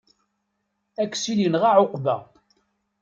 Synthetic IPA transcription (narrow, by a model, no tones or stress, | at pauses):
ækːsilinʁaʕoqvæ̰